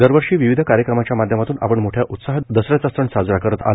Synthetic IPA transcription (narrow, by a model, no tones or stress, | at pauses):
d̪əɾʋəɾʂiːʋiʋid̪ʱəkaɾjəkɾəmat͡ɕjamad̪ʱjəmat̪uːnʔa̰pəɳmoʈʰjaʔut̪saɦd̪əsɾjat͡sast̪ɾəɳsad͡zɾakəɾət̪a̰l